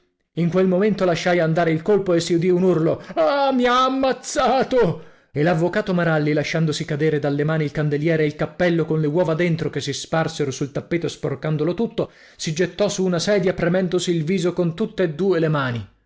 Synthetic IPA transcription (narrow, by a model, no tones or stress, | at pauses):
iŋkwelmoment̪olaʃːajand̪aːɾeilkolpoesːiud̪iunurloamiaːmːat̪saːt̪o | elavːokaːt̪omaɾalːilaʃːand̪osikad̪eːɾed̪alːemaːniilkand̪eljɛːɾeilkapːɛlːokonlewɔːvad̪ent̪ɾokesisparseɾosult̪apːeːt̪osporkand̪olot̪ut̪ːo | sid͡ʒet̪ːɔsuːnasɛːd̪japɾemɛnd̪osiːlviːzokont̪ut̪ːeːd̪ːuːelemaːni